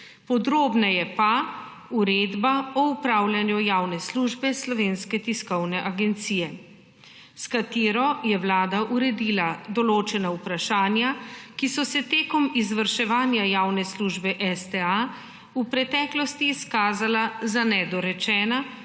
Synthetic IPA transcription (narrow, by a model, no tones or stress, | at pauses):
pɔd̪ɾoːbnajɛpa | uɾeːd̪baɔupɾaːwlʲjanjujawnɛsluːʒbɛslɔʋeːnskɛt̪iskɔwnɛʔaɡɛnt̪siːjɛ | skat̪iːɾɔjɛwlaːd̪aʔuɾɛd̪iːlad̪ɔloːt͡ʃɛnaupɾaʃaːnjakisɔsɛt̪eːkɔmizʋəɾʃɛʋaːnjajaːwnɛsluːʒbɛʔɛst̪ɛa | upɾɛt̪ɛːklɔst̪iːskaːzalazanɛd̪ɔɾɛt͡ʃɛːna